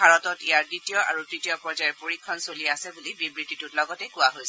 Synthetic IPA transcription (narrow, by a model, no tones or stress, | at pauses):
bʱaɹɔtɔtijaɹditijɔʔa̰ɹutɹitijɔpɹɔzajɛɹpoɹikʰːɔnsoliasɛbulibibɹititutlɔɡɔtɛkuwaɦojs